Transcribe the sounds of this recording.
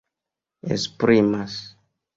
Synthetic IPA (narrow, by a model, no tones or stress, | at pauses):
ḛspɾimas